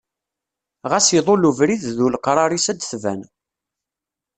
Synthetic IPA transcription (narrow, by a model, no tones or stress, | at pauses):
ʁæsiðˤoluvɾiððulqɾˤɑɾˤisæd̪θvæ̰n